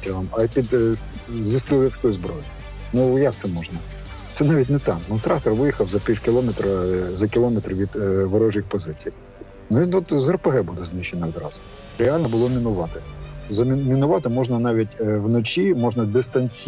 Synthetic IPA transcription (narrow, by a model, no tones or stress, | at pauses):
t̪ʲilˠɐmɐpʲid̪ | zʲist̪ɪlʲˠʋɛt͡sʲkɔjʊzbɾɔjʊj | nujɑk̚t̪sɛmɔʒnɐ | sɛnɑʋʲit̬ʲnɛt̪ɑmnut̪ɾɑkt̪ɔrʋɪjixɐwzɐpʲiwkʲɪlˠɔmɛt̪ɾɐzɐkʲɪlˠɔmɛt̪ɾʋʲid̪ʋɐɾɔʒjixpɔzɪt͡sʲij | nuiɔt̪zɐrpeɦɛbud̪ɛznɪʃːɛnɐɔd̪ɾɑ̰zʊ | ɾealʲnɐbʊlˠɔmʲinʊʋɑt̪ɪzɐmʲmʲinʊʋɑt̪ɪmɔʒnɐnɑʋʲitʲwnɔt͡ʃʲimɔʒnɐd̪ɪst̪ɐnʲsʲ